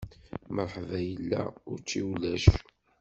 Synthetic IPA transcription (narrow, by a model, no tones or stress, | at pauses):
məɾˤħvæjəlːæ̰ʊɾt͡ʃːiwlæʃ